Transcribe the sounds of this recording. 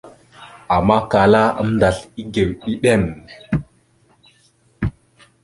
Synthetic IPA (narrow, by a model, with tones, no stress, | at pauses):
a˨mːa˦ka˨la˦ə̰˦m˦nda˨ɬi˦ɡe˨wɗi˦ɗe˦˨m